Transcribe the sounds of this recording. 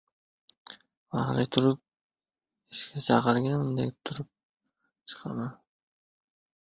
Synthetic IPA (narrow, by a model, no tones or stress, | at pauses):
vɑɾlɪjt̪ʰʊɾʊp̚ | ɪʃkʲʰat͡ʃʰɑqəɾɡʲanmd̪ḛk̚ʲt̪ʰʊɾʊp̚ | t͡ʃʰɨ̥qʰɑ̰man